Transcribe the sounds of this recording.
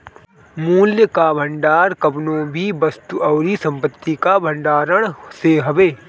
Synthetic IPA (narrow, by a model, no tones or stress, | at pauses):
muːljəkaːbʱəɳɖaːɾkɐbnõːbʱibɐst̪uʔɔːɾisɐ̃mpət̪ːikabʱə̃ɳɖaːɾəɽ̃seɦɐʋeː